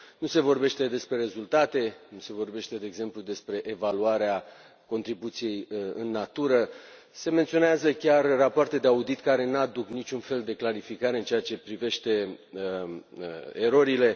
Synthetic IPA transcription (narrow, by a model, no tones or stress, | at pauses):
nuse̞vo̞rbe̞ʃt̪e̞d̪e̞spɾe̞ɾe̞zult̪at̪e̞nuse̞vo̞rbe̞ʃt̪e̞d̪e̞ːɡze̞mplud̪e̞spɾe̞ʔevaluaɾea | ko̞nt̪ɾibut̪sije̞jɨnːat̪uɾə | se̞me̞nt̪sio̞neazəkʲarːapoart̪e̞d̪e̞aud̪it̪kaɾe̞nad̪uknit͡ʃunfe̞ld̪e̞klaɾifikaɾe̞ɨnt͡ʃe̞at͡ʃe̞pɾive̞ʃt̪e̞ | eɾo̞ɾile̞